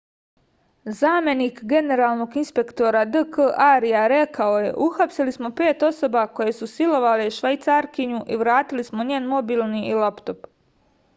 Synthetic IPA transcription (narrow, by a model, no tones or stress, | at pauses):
zaːme̞niːkɡe̞ne̞ɾaːlˠno̞ɡinspe̞kt̪o̞ɾad̪əkəʔaɾijaɾe̞kao̞je̞̰ʔuxapsilismo̞pe̞ːt̪o̞so̞bako̞jesusilo̞ʋaleʃʋajt̪saːɾkiɲuʔiʋɾaːt̪ilismo̞ɲeːnmo̞bilnilapt̪o̞p